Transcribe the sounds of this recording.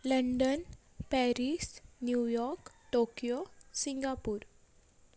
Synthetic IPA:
ləɳɖən | pɛɾisnjujɔɾk | ʈokijosĩŋɡapuːɾ

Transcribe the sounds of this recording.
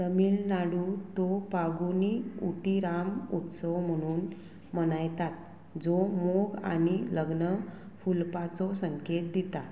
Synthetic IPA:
t̪əmiːlnaɽut̪ɔpaɡuniuʈiɾamut̪səʋm̤əɽ̃uːn | mənajt̪at̪̚ | d͡zɔmoɡa̰niləɡnə | fulpat͡sɔsəŋket̪̚d̪it̪a

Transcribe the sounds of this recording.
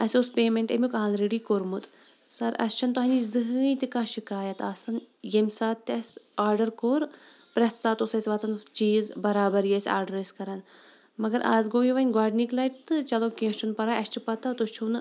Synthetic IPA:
ɐsʲospeːmẽɳʈɐ̰mʲukaɦaːnɾeɖiːkoːɾmut̪ | sɐɾɐ̰st͡ʃʰɐnt̪oɦɐnʲizɨɦɨːjt̪ʲikãːʃikaːjɐt̪aːsɐnjemʲsaːt̪ːʲɐsʲaːɾɖɐɾkoːɾ | pɾɐst̪t͡saːt̪osɐsʲʋɐt̪ɐnt͡ʃiːzbɐɾaːbɐɾjesʲa̰ːɾɖɐɾɐsʲkɐɾɐn | mɐɡɐɾʔaːzɡoːjiʋɐnʲɡaːɖniklɐjʈ̚t̪ɨt͡ʃɐloːkĩːst͡ʃʰunpɐɾaːʔɐst͡ʃʰupɐt̪at̪ost͡ʃʰun

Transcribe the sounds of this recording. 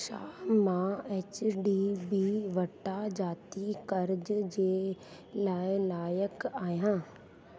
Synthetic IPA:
ʃa̰ːmãeːt͡ɕɖiːbiːʋɐʈad͡ʑaːt̪ikɐɾd͡ʑd͡ʑeː | laːɪlaːjəkaːɦjãː

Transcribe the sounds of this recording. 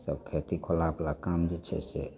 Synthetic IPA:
səbkʰet̪ikʰolaplakamd͡ʒet͡ʃʰɛ̰sḛ

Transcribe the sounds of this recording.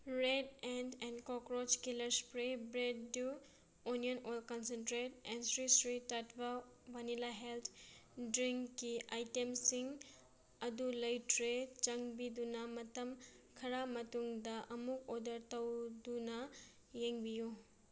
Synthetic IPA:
ɾedendɛnkokɾot͡ʃkilɐɾspɾebɾedːu | unionojlkɐnsentɾetɛnsɾisɾitatbɐ | banilaɦelt̪ʰdɾiŋkːiajtemsiŋ | ɐdulɐjtʰɾet͡ʃɐŋbidunɐmɐtɐm | kʰɐɾamɐtuŋdɐʔɐmuk̚odɐɾtɐwdunɐ | jeŋbiju

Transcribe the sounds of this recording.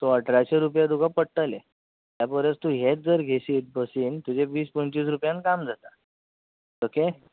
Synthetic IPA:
t̪oəʈʰɾaɕeɾupjad̪uɡapəɽʈəle | t̪japəɾjət͡st̪uɦet̪̚d͡zəɾɡʱesiːt̪̚bəsiːnt̪ud͡ʑeʋiːspəɳt͡ɕiːs̬ɾupjãnkamd͡zʱat̪a | oke

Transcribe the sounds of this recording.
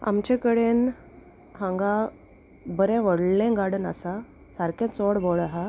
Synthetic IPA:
a̰mt͡ɕekəɽen | ɦãŋɡa | bəɾɛ̃ʋəɽlẽɡaɽəna̰sa | saɾkẽt͡sɔɽbɔɭaɦa

